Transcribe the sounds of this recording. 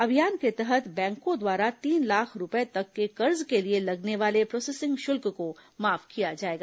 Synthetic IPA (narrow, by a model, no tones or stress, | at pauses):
ɐbʱijaːnket̪ɛɦət̪bɛ̃ːŋkõd̪waːɾat̪iːnlaːkʰɾʊpet̪ɐkːekɐɾzkelielɐɡneʋaːlepɾɔːsɛːsɪ̃ŋɡʃʊlkkomaːfkijad͡ʒaːeːɡaː